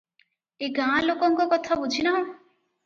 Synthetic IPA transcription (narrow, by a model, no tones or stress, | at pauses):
eɡãlokɔŋkɔkɔt̪ʰabud͡ʒʱinaɦõ